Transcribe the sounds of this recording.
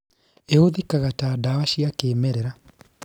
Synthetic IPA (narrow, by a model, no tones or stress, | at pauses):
eoðikaɣataːdawaɕiakeːmɛɾɛɾa